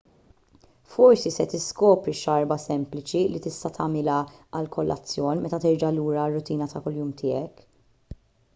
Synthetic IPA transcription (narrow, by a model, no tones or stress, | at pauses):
fɔɾsisɛt̪ɪskɔːpɾiʃɐɾbɐsɛmplɪt͡ʃilit̪ɪst̪ɐt̪ʰɐmɪlɐɐlkʰɔlːʔɐ̰t͡sːjɔːnmɛt̪ɐt̪ɪɾd͡ʒɐluːɾɐrːʊt̪iːnɐt̪ɐkʊlːjuːmt̪ʰɪːɛk